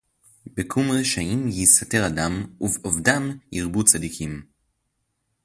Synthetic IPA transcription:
bekʰumʁeʃaimjisate̞ʁadamuvovdamjiʁbut͡sadikʰim

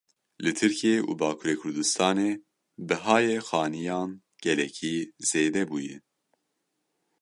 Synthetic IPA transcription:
lɨt̪ʰɨɾcʰieːʔṵːbɑːkʰuːɾeːkʰʊɾd̪ɨst̪ʰɑːneː | bɨɦɑːjexɑːnijɑːn | ɡ̥ɛlɛcʰiz̥eːd̪ɛbuːjɛ̰

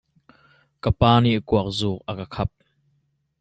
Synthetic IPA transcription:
kəpaːniʔkuɐk̚zuːk̚ʔɐkəkʰɐp̚

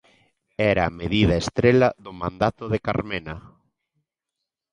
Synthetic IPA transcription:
ɛɾaːmeðiðɐest̪ɾelaðʊmãnd̪at̪ʊðekaɾmenɐ

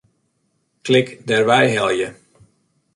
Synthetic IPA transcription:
klɪkdɛrʋɛjɦɛlˠjə

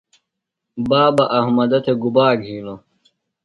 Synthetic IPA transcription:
baːbɐʔɐhmɐd̪ɐt̪ʰeɡubaːɡʱiːlo

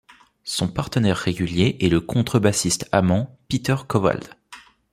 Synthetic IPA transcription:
sɔ̃paʁt̪ənɛʁːeɡʲyljeʔɛləkʰɔ̃t̪χəbasist̪amɑ̃pit̪œʁkɔva̰ld̪

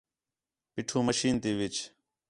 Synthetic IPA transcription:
piʈʰũːməʃiːnt̪iːʋɪt͡ʃ

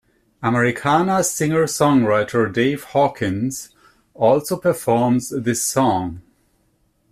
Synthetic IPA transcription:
əməɹɪkʰanəsɪ̃ŋə˞sɔ̃ŋɹaɪtʰə˞deɪv̥hɔkʰɪ̃nz̥ | ɔːlˠsopʰə˞fɔɹmzðɪsɔ̃ŋ

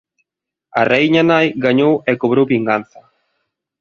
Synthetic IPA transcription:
a̰rejɲanajɡaɲowɛkoβ̞ɾowβiŋɡan̟θɐ

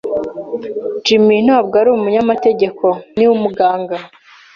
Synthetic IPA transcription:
d͡ʒiminaːbɡaɾuumuɲamate̞ɟe̞ko̞niwumuɡaːŋɡa

